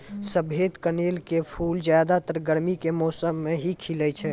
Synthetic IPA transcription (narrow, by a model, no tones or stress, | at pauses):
səbeːd̪kəneːlkepʰuːld͡ʒjaːd̪at̪əɾɡəɾmikemɔːsəmːẽɦikʰilət͡ʃʰɛː